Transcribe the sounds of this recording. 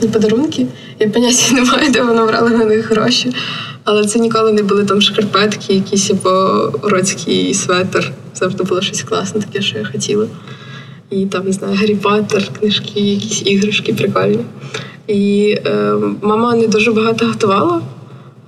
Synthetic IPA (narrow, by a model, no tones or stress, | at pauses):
nʲipɔd̪ɐɾunkʲɪ | japɐnʲatʲinɛmajd̪ɛʋɔnɔʋɾɑ̰lˠɐnɐnɪxɦɾɔʃʲi | ɐlˠɛt̪sɛnʲikɔlˠɪnɛbʊlˠɪt̪ɑmʃkɐrpɛt̪kʰʲijɐkʲisʲjɐbɔɾɔt͡sʲkʰɪjsʋɛt̪er | zɑvʐd̪ɪbʊlˠɔʃɔsʲklˠɑ̰snɛt̪ɐ̥kʲɛʃt͡ʃɔjaxɔtʲilˠɐ | it̪ɑmnɪznɑjʊɦɐɾʲipɔt̪erknɪʃkɪjɐkʲisʲiɦɾʊʃkʲɪpɾɪkɔlʲnʲi | i | mɑmɑnɛd̪uʒɛbɐɦɑt̪ɔɦɔt̪ʊʋɑlˠɐ